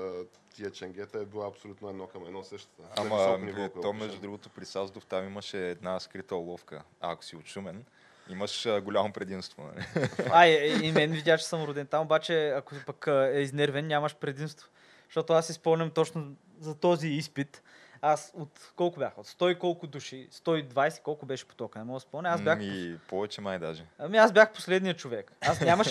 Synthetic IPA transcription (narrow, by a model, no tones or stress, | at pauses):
t̪iət͡ʃɛŋɡʲɛt̪əɛbilˠaɐpsolʲut̪noɛd̪nɔkɐmɛd̪nɔsəʃt̪ɐ̥t̪əamɐɛt̪ɔmmɛʒd̪ud̪ɾuɡʊt̪opɾisazd̪oft̪amiməʃɛːd̪naskɾit̪əlˠɔfkə̰ | ɐ̰ːko̥siʊt͡ʃumɛn | iməʃəɡolʲamopɾɛd̪imst̪vo̰nɐ̰lḭaiimɛnvid̪ʲjaʃt͡ʃɛ̥səmɾʊd̪ɛnt̪amobat͡ʃɛɐkʊpɐkːɛiznɛɾvɛnnʲamɐʃpɾɛd̪imst̪vo̥ | ʃt̪ɔt̪ʊasːispomnʲɐmt̪ɔt͡ʃnʊ | zɐt̪ɔziispit̪ | asot̪kɔlˠkʊbʲjaxot̪st̪ɔikɔlˠkʊd̪uʃist̪ɔid̪vajsɛ̥kɔlˠkʊbɛʃɛ̥po̥t̪ɔkənɛmɔəspomnʲɛazbʲjaxipɔvɛt͡ʃɛmajd̪a̰ʒɛamiazbʲjaxpo̥slɛd̪nijət͡ʃovɛkasnʲamɐʃ